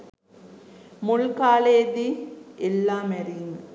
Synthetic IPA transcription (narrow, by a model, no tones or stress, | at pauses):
muɭkaːleːd̪ielːaːmɐɾiŋ